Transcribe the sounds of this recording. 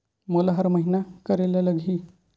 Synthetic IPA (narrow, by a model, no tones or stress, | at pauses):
molaɦəɾməɦinakəɾelaləɡʱiː